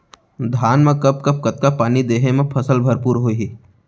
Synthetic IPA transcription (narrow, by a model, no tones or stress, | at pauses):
d̪ʱaːnmẽkɐp̚kɐp̚kɐt̪̚kapaːnid̪eːɦemẽpʰɐsəlbʱɐɾpuːɾɦoːiɦi